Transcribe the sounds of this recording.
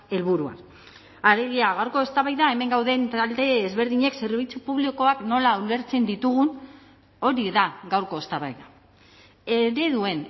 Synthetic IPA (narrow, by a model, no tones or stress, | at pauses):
e̞lβuɾua̰n | ale̞ɣ̞iaɣ̞awɾko̞est̪aβajðae̞me̞ŋɡawðe̞nt̪ald̪e̞ezβe̞ɾðiɲe̞kse̞ɾβ̞it͡supuβliko̞akno̞laule̞ɾt͡se̞nd̪it̪uɣ̞un | o̞ɾiðaɣawɾko̞est̪aβa̰jða | eɾe̞ðue̞n